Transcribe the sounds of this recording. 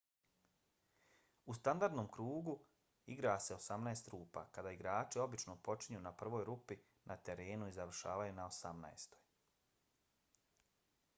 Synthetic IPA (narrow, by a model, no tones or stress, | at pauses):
ust̪and̪aɾd̪nomkɾuːɡu | iɡɾaːse̞o̞samnaest̪ɾuːpa̰kad̪aːiɡɾaːt͡ʃio̞bit͡ʃnopo̞t͡ʃiɲunapr̩ʋo̞ːjɾupi | nʔat̪eɾe̞ːnuizaʋr̩ʃa̰ːʋajunaosamna̰est̪o̞̥j